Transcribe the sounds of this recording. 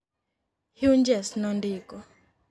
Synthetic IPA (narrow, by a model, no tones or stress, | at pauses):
hiuɲd͡ʒɛsnɔndikɔ